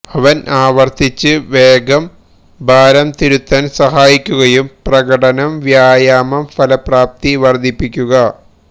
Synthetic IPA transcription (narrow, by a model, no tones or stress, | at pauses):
ɐʋɐnaːʋɐrt̪ʰit͡ɕːɨʋeːɡɐm | bʱaːɾɐmt̪iɾut̪ːɐnsɐɦaːjikʲːuɣɐjumprɐɣɐʈɐnɐmʋjaːjaːmɐmfɐlɐpraːp̚t̪iʋɐrd̪ʱipːikʲːuɣɐ